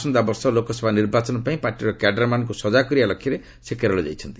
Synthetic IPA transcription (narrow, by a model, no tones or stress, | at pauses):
sɔnd̪abɔɾsɔlokɔsɔbʱaniɾbat͡ʃɔnɔpaĩpaɾʈiɾɔkaɖɾamankusɔd͡ʒakɔɾialɔkʰːiɾe | sekɛɾɔlɔd͡ʒa̰jt͡ʃʰɔnt̪i